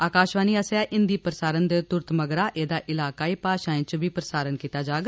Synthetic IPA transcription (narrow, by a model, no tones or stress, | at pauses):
aːkaːʃʋaːniːaseaːʔɪnd̪iːpɾəsaːɾənd̪et̪ʊɾt̪məɡɾaːʔeːd̪aːʔɪlaːkaːiːpaːʃãːẽːt͡ʃbiːpɾəsaːɾənkiːt̪aːd͡ʒaːɡ